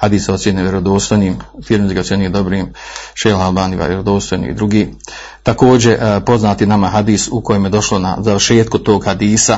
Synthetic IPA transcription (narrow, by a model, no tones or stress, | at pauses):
had̪iːso̞t̪sjeneʋjeɾo̞d̪o̞ːst̪ojniːmufiːɾmiziɡasjenid̪o̞bɾiːmʃeːlalˠbaːniʋa̰ʋjeɾod̪o̞ːst̪ojnḭḭd̪ɾuɡiː | t̪ako̞ːd͡ʑe̞po̞znaːt̪inamaɦad̪iːsuko̞jemje̞d̪o̞ʃlo̞na̰zaʋəɾʃe̞ːt̪̚kut̪o̞ːɡhad̪iːsa